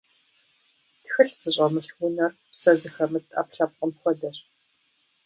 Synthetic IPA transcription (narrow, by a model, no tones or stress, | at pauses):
txɨɬz̥ɨɕʼɐmɨɬwʊnɐrpsɐzɨxɐmɨtʼɐ̰pɬɐp̚qəmxʷɔdɐɕʼ